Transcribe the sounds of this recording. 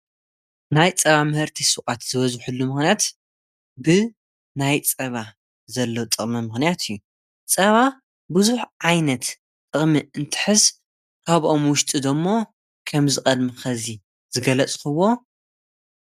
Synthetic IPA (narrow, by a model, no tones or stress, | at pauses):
najt͡sʼɐβamɨhɨɾt̪ʰisɨʔʼat̪z̥ɨβɐzħulːumɨxnijat̪ | bɨ | najt͡sʼɐβa | zɐlːot̪ʼɨχʼmɨmɨxnijat̪ʰijːu | t͡sʼɐβa | bɨzuħʕajnɐt̪ | t̪ʼɨχʼmiɨnt̪ʰɨ̥ħɨz | kʰaβʔo̞mwʊʃt̪ʼid̪omːo̞ | kʰɐmzɨkʼɐd̪mixɐzi | zɨɡɐlɐt͡sʼxɨwo̞